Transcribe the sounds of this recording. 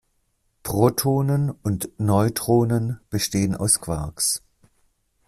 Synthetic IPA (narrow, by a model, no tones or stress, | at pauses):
pʁ̥otʰoːnənʊntnɔʏtʁ̥oːnənb̥əʃteːəna̰ʊskv̥aɐks